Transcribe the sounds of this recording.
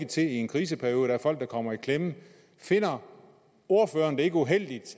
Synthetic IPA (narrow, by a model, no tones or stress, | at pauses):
ɡ̥ət͡sʰe̝lie̝nkʰʁiːs̬əpʰæɐoːðˠd̥ɑæɐfɒ̽l̰ɡ̥̚d̥ɑ̈kʰɒ̽m̰ɐikʰlemə | fe̝n̰ɐ | o̝ɐføːɐnd̥ee̝ɡ̥əuɦel̰d̥id̥